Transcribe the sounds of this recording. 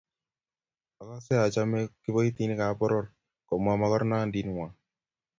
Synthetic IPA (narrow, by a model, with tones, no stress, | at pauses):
a˨ka˦sɛ˦a˨t͡ʃa˦me˦kɪ˦bo˦i˦t̪i˦ni˦ka˨˦pɔ˦ɾɔ˦ɾ | kɔ˨ma˨ma˨kɔ˦ɾna˦˨ndi˨nŋwa˨